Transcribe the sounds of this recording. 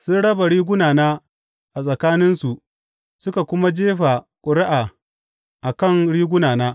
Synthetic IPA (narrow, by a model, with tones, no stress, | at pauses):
sʊ˦nɽɐ˦ba˨ɽiː˦ɡʷʊ˦naː˨naː˦ | ʔa˨sʼɐ˨kaː˦nɪ˦nsu˨ʔ | sʊ˦ka˨kʷʊ˦ma˦d͡ʒeː˦ɸa˨kʷʼʊ˨ɽɪ˦ʔaː˨ | ʔa˨kɐ˦˨ŋɽiː˦ɡʷʊ˦naː˨naː˦